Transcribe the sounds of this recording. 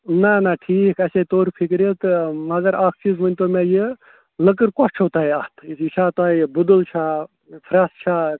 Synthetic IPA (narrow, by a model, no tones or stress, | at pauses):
nanaʈʰiːkɐset̪oːɾpʰikɾet̪ɨmɐɡɐɾaːkʰt͡ʃizmɐnʲt̪omeje | ləkɨɾkɔst͡ʃʰoːt̪aɦeat̪ʰit͡ʃʰaːt̪abud̪ult͡ʃʰa | pʰɾaːst͡ʃʰa